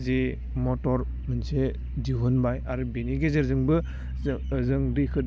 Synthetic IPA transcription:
ze | mɔtɔɾ | mɯnse | d͡ʒiɦunbajaɾɯbeniɡezeɾzɯŋbɯ | zɯŋɾikʰɯ

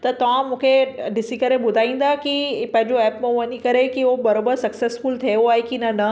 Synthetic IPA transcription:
t̪ɐt̪ɐʋãmũːkʰeɖɪsikɐɾeɓʊd̪ʱaːĩːn̆d̪akipɐ̃ɦɪ̃ɲd͡ʑoɛːpmẽʋɐɲikɐɾekiobɐɾoːbəɾsɐksesfʊlt̪ʰejoaːɦekinɐnɐ

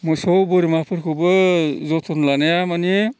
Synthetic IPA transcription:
mɔjsɔwbɔɾimapʰɯɾkʰɯbɯzɔtʰɔnlanajamani

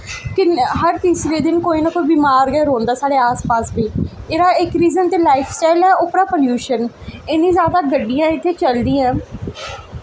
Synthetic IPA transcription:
kɪɦəɾt̪iːsɾeːd̪ɪnkoːiːnaːkoːiːbiːmaːɾɡɛːɾõːnd̪aːsaːɽeːaːspaːsbiːeːɾaːɪkɾiːzənt̪eːlaːɪpʰsʈaːɪlɛːoːpɾaːpəljuːʃəneːnĩːzaːd̪aːɡəɖːijãːɪt̪ʰːeːt͡ʃəld̪ĩːɛ̃ː

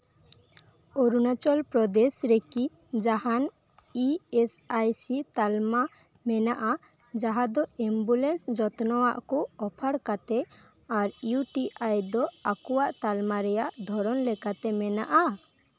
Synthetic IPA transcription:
ɔɾunat͡ʃɔlpɾɔd̪esɾeki | d͡ʒahan | iɛsajsit̪alma | mɛnaʔa | d͡ʒaɦad̪ɔɛmbulɛnsd͡ʒɔt̪nɔwaʔkɔɔpʰaɽkat̪ɛ | aɾjuʈiajd̪ɔakuwaʔt̪almaɾɛjaʔd̪ʱɔɾɔnlɛkat̪ɛmɛnaʔa

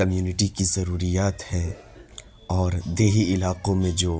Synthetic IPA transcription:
ɐmjuːnɪʈikizɐɾuːɾijaːt̪hɛː | ɔːɾd̪eːɦiɪlaːqõmẽd͡ʒoː

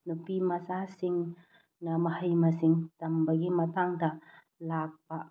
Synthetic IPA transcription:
nupimɐsasiŋ | nɐmɐhɐjmɐsiŋtɐmbɐɡimɐtʰaŋdɐ | lak̚pɐ

